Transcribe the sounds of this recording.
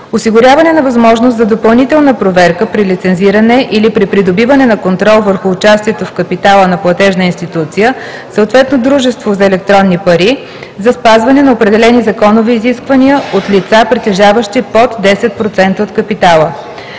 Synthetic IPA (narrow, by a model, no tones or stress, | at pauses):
osiɡʊɾʲjavɐnɛnɐvɐzmɔʒnoszɐd̪opɐlˠnit̪ɛlˠnəpɾovɛɾkəpɾilit̪sɛnziɾənɛʔilipɾipɾid̪obivənɛnɐkont̪ɾɔlˠvəɾxʊːt͡ʃast̪iɛt̪ofkəpit̪alˠənɐplˠɐt̪ɛʒnəinst̪it̪ut̪sijə | səoːt̪vɛt̪nod̪ɾuʒɛst̪vozɐɛlɛk̚t̪ɾɔnːipɐɾi | zɐspazvɐnɛnɐopɾɛd̪ɛlɛnizɐkɔnoviːziskvəniəot̪lit̪sapɾit̪ɛʒavəʃt̪ipot̪d̪ɛsɛt̪̚pɾot̪sɛnt̪əot̪kəpit̪alˠə